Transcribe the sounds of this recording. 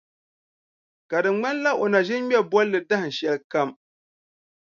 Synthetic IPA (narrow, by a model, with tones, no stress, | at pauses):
ka˨dɨ˨ŋ͡mŋ͡ma˦n˦la˦ʔo˨na˨ʒɪ˦nɲɛ˦bɔ˦lːɨ˨da˦hɨ˨n̩˨ʃɛ˦lka˦m